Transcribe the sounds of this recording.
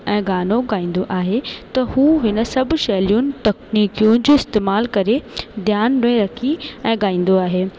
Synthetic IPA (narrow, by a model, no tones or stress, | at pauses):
ɛ̃ːɡaːnoɡaːĩːn̆d̪oʔaːɦet̪ɐhuːɦɪnə̆sɐbʱʃɐːlijunɪ̆t̪ɐkniːkijũnd͡ʑoːɪst̪eːmaːlkɐɾed̪ʱjaːnnʊẽɾɐkʰiɛ̃ːɠaːĩːn̆d̪oaːɦeː